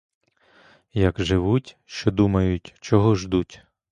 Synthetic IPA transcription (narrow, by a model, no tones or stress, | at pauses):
jɐkʒɪʋutʲ | ʃt͡ʃɔd̪umɐjʊtʲt͡ʃɔɦɔʒd̪utʲ